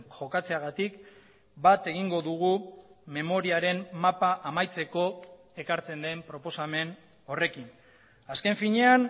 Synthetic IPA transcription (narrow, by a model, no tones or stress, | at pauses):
ʝo̞kat͡se̞aɣ̞at̪ik | bat̪e̞ɣiŋɡo̞ðuɣume̞mo̞ɾiaɾe̞mmapaʔamajt͡se̞ko̞ | e̞kaɾt͡se̞nd̪e̞mpɾo̞po̞same̞n | o̞re̞kin | aske̞ɱfiɲe̞an